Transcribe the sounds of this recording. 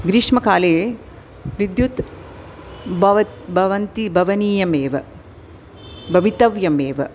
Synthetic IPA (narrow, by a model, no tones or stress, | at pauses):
ɡɾiʂmɐkaːleː | ʋid̪jut̪ | bɐʋɐt̪bʱɐʋɐnt̪ibʱɐʋɐniːjɐmeːʋɐ | bʱɐʋit̪ɐʋjɐmeːʋɐ